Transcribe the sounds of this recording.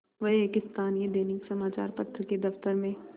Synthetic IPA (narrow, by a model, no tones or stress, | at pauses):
ʋɐɦeːkɪst̪ʰaːnied̪eːnɪksɐmaːt͡ʃa̰ːɾpɐt̪ʰːɾəked̪ɐft̪əɾmẽ